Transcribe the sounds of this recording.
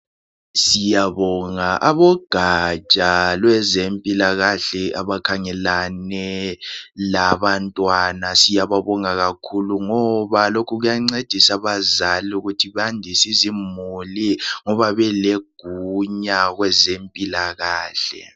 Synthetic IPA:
sijaβɔŋaʔaβɔɡ̥ʱat͡ʃʼalwɛzempʼilaɣaɬɛaβakʰaŋɛlanɛ | laβantʼwanasijaβaβɔŋaɣakʰuluŋɔβalokʰuɣujaŋ͡ǀed̥ʱisaβazaluɣutʰiβandʱisizimuliŋɔβaβɛleɡ̥ʱuɲaɣwɛzempʼilaɣaːɬɛ̰

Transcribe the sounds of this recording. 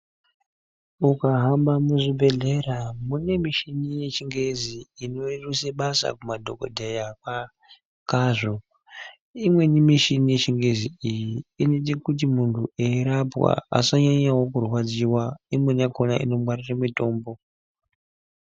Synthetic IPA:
ukaɦambamuʐibʱe̞ɮe̞ramune̞miʃinije̞t͡ʃiŋɡe̞ziːno̞iruseɓasa̰kumadʱo̞ko̰dʱejaka | kaʐo̞ | imwe̞nimiʃinije̞t͡ʃiŋɡe̞ziijiːnet̬ikut̬imuntʰueiɾapwa̰a̰saɲaɲawo̞kurwad͡ziwaimwe̞nakonaʔḭno̞mwariramito̞ːmbo̞

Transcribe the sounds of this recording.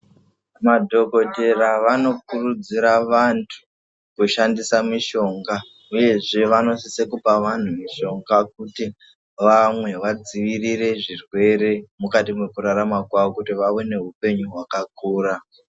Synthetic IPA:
madʱo̞ko̞te̞raʋano̞kurud͡ziɾaʋantʰu̥ | kuʃandisamiʃo̞ŋɡa | uje̞ʐe̞ʋano̞sise̞kupaʋan̤umiʃo̞ŋɡak̚uti | ʋamwe̞ʋad͡ziʋirire̞ʐirwe̞ɾe̞mukatimwekuɾaɾamakwaʋokutiʋaʋone̞ɦupe̞ɲuɦwakakuːɾa

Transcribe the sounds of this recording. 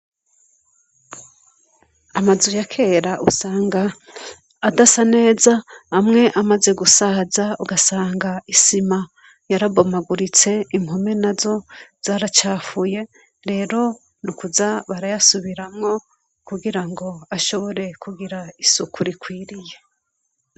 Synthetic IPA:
amazujakʰe̞ɾaʔusaːŋɡaː | dasane̞ːzahːmŋe̞ʔamaze̞ɡusaːzauɡasaːŋɡaisima | jaɾabomaɡuɾit͡se̞imho̞me̞nazo̞z̥aːɾat͡ʃaːfuje̞ | ɾe̞ːɾo̞ | nukuzaβaɾajasuβiɾamŋo̞ | kuɡiɾaŋɡo̞aʃo̞βo̞ɾe̞kuɡiɾaisukuɾikwiːɾije̞

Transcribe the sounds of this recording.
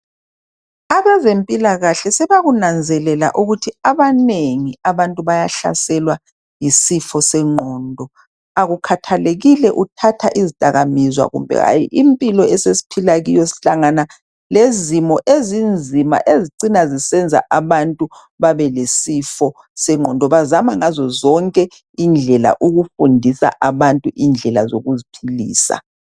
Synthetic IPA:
aβɛzempʼilaɣaɬɛsɛβaɣunand͡zʱɛlɛla̰ʔuɣutʰiaβaneŋiaβantʼuβajaɬa̰sɛlwa | jisifɔsɛŋ͡ǃʱɔːndʱɔ | aɣukʰatʰaleɣilɛʔutʰatʰaʔizid̥ʱʼaɣamizwa̰ɣṵmbʱɛ̰ɣa̰jḭʔimpʼilɔɛsesi̥pʰilaɣijɔsi̥ɬaŋana | lezimɔʔezind͡zʱima̰ʔeziǀinazisɛnd͡zʱa̰ʔaβantʼu | βaβɛlesifɔ | sɛŋ͡ǃʱɔndʱɔβazamaŋazɔzɔŋkʼɛ | ind͡ɮʱɛla̰ʔuɣufundʱisa̰ʔaβantʼuʔind͡ɮʱɛlazoɣuzipʰilḭːsa̰

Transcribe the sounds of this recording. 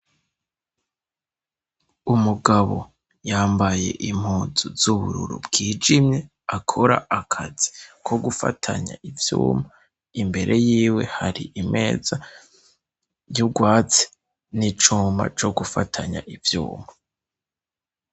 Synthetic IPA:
umuɡaβo̞̰ | jaːmbaje̞̰ʔim̥huːzuzuβuɾṵɾṵbɡiːd͡ʒimɲe̞ | akʰo̞ɾa̰ʔakʰazikʰo̞ɡufa̰tʰa̰ɲa̰ʔivjṵːma | imbe̞ɾʔe̞jiːwe̞haɾḭʔimʔe̞ːza | joɡwaːt͡se̥ | nit͡ʃuːmba̰t͡ʃo̞ɡufa̰tʰaɲa̰ʔivjṵːmha

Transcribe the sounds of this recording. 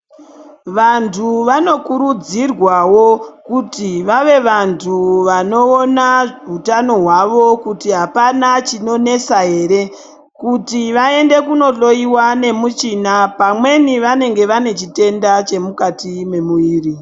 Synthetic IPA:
ʋantʰuʋano̞kuɾud͡zirwawo̞kutiʋaʋe̞ʋantʰuʋano̞ːnautano̞ɦwaʋo̞kutiɦapanat͡ʃino̞ne̞saɦe̞ɾe̞ | kutiʋae̞nde̞kuno̞ɬo̞iwane̞mut͡ʃinapamwe̞niʋane̞ŋɡe̞ʋane̞t͡ʃite̞ndat͡ʃe̞mukatime̞muiːri

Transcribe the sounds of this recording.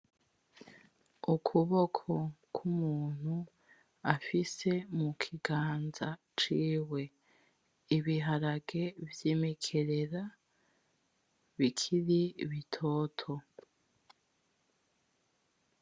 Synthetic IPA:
ukʰuβo̞kʰo̞kʰumuːn̥hu | afise̞mukʰiɡaːnza | t͡ʃiːwe̞ | iβiɦaɾaɡevjeːmekʰe̞ɾeɾa | βikʰiɾiβitʰo̞ːtʰo̞

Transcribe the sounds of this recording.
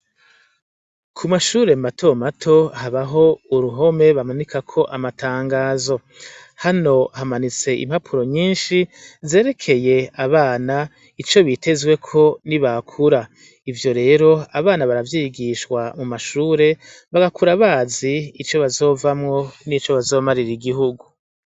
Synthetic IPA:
kʰumaʃuːɾe̞matʰo̞matʰo̞haβaɦo̞uɾuɦo̞me̞βamanikakʰo̞ʔamatʰaːŋɡaːzo̞ | hano̞hamanit͡se̞ʔḭmhapʰuɾo̞ɲiːnʃize̞ːɾe̞kʰe̞je̞aβaːna | it͡ʃo̞βite̞zwe̞kʰo̞niβakʰuɾa | ivjo̞ɾe̞ːɾo̞aβaːnaβaɾavjiːɡiʃkwamumaʃuːɾe̞ | βaɡakuɾaβaːziːt͡ʃo̞βazo̞ːvamŋo̞nit͡ʃo̞βazo̞ːmaɾiɾiɡihuɡu

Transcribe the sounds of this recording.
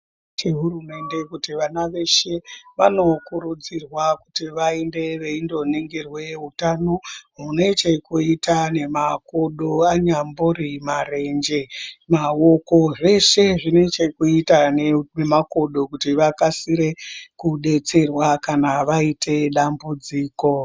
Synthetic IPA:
t͡ʃeɦuɾume̞nde̞kutiʋanaʋe̞ʃe̞ʋano̞kuɾud͡zirwaku̥tiʋaende̞ʋe̞indo̞niŋɡirwe̞ɦutano̞ɦune̞t͡ʃe̞kuitane̞makoɗoaɲambuɾimare̞nd͡ʒe̞maoko̞ʐe̞ʂe̞ʐine̞t͡ʃe̞kuitanenemako̞ɗo̞kutiʋakasiɾe̞kuɗe̞t͡se̞rwakanaʋaitʰe̞ɗambud͡ziːko̞

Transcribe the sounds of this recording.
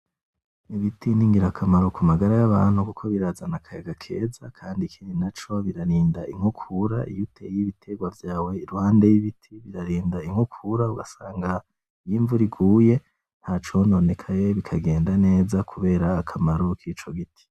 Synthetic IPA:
iβitiniːŋɡiɾakʰamaɾukumaɡaɾajaβaːn̥hukukʰo̞βiɾazanakʰajaɡakʰe̞̰ːzakʰaːndikʰiːndinat͡ʃo̞βiɾaɾiːndaʔiŋ̥hukʰuɾa̰ḭjutʰejiβitʰe̞ɡwavjaːwe̞iɾuhaːndejiβitʰiβiɾaɾiːndaiŋ̥hukʰuɾauɡasaːŋɡa | ijiːɱvuɾiɡuːje̞ | n̥haːt͡ʃo̞no̞ne̞kʰaje̞βikʰaɡe̞ːndane̞ːzakʰuβe̞ːɾaːkʰamaɾukʰiːt͡ʃo̞ɡitʰi̥

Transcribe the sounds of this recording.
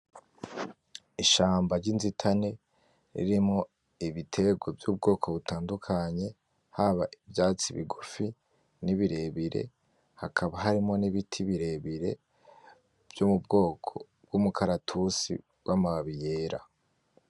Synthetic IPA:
iʃaːmbaɾɟinzitʰane̞ | ɾḭɾimŋo̞ | iβitʰe̞ɡwovjuːb̚ɡo̞ːkʰo̞βutaːndukʰaɲe̞ | haβaʔivjaːt͡siβḭɡufi | niβiɾe̞βiɾe̞̰ | hakʰaβaɦaɾimo̞niβitʰiβiɾe̞βiɾe̞ | v̥jumubɡo̞ːkʰo̞ | b̥̚ɡumukʰaɾatʰusḭ | wamaaβije̞ːɾa̰

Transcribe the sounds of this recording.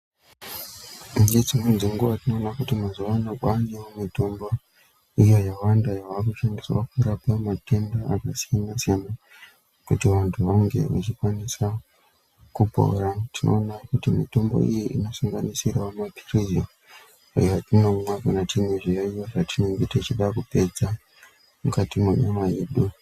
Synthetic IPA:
indid͡zimwend͡zeŋɡuʋatino̞ːnakutimazuʋanokwanemumitombo | ijojawandajaʋakuʃandiswa̰kuɾapamatʰendaakasijanasijana | kutiʋantʰuʋaŋɡe̞̰ʋa̰t͡ʃikwanisa | kupo̰ratino̞̰ːnakutimito̞mbo̞̰ḭjiʔino̞suŋɡanisirawamapi̥rijo | ḭjatino̞mwakanatineʐijoijoʐatinoŋɡitet͡ʃiɗakupe̞d͡za | mukatimweɲomajeɗu

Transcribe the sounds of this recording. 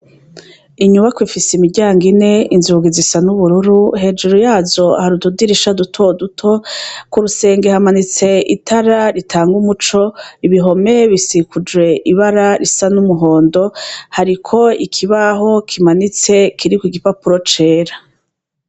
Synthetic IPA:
iɲuβakwifisimiɾɟaːŋɡine̞inzuːɡizisanuβuɾuɾuhe̞d͡ʒuɾojaːzo̞a̰haɾududiɾiʃadutʰo̞dutʰo̞kuɾuse̞ːŋɡehamanit͡se̞itʰaɾaɾitʰaːŋɡumut͡ʃoiβiɦo̞me̞βisikud͡ʒwe̞ʔiβaɾaɾisanumuɦo̞ːndo̞haɾikʰo̞ikʰiβaɦo̞kʰimanit͡se̞kʰiɾikwiɡipapuɾo̞t͡ʃe̞ːɾa

